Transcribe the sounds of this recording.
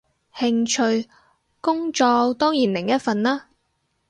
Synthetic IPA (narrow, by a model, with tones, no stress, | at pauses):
hɪ˧ŋt͡ʃʰɵ˧ɥ | kʊ˥ŋt͡ʃɔː˧t̪ɔː˥ŋjiː˨˩nlɪ˨˩ŋjɐ˥t̚fɐ˨˧nlaː˥